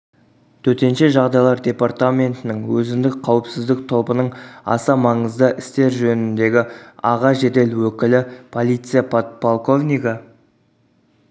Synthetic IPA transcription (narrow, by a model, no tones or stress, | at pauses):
t̪ʰɵɾt̪e̞nʃeʒɑʁd̪ɑjlˠɑɾd̪ʲe̞part̪amʲe̞nt̪ɪnɪŋwɵzɪmd̪ɪk̚qʰɑwəpsɪzd̪ɪk̚t̪ʰo̞pənəɴɑ̰sɑmɑɴəzd̪əʔɪst̪e̞ɾʒɵnɪnd̪e̞ɡʲɪɑʁɑʒe̞d̪e̞lwɵkʲɪlɪpʰo̞lˠijt̪sɨjapʰot̪pʰolˠko̞vnʲijɡə